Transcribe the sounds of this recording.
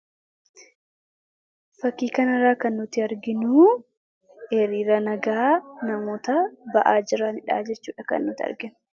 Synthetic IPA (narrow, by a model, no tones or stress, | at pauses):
fɐkːiːkɐnɐɾaːkɐnːʊt̪ɪɐɾɡɪnuː | ɛɾiːɾɐnɐɡaːnɐmoːt̪ɐbɐʔaːd͡ʒɪɾaːnɪᶑa̰ːd͡ʒɛt͡ʃːuːᶑɐkɐ̰nːʊt̪ɪɐ̰ɾɡɪnʊ